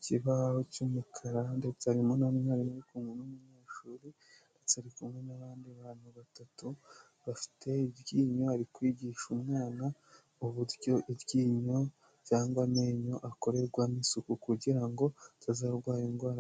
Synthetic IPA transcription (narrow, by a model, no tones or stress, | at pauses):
ciβahocumukʰaɾande̞t͡saɾimonaimaɾimaɾikuŋɡunumuɲe̞ːʃuːɾi | nde̞t͡saɾikumŋe̞naβaːndiaβaːn̥huβatatu | βafi̥tʰe̞iβɟiːɲo̞aɾikwiːɟiːʃumŋaːna | uβuɾjo̞ʔiβjiːɲo̞ | caːŋɡwame̞ːɲo̞ʔako̞ɾe̞ɾɡwamisukukuɟiɾaŋɡo̞tʰazaːɾɡwaːjiŋɡwaːɾa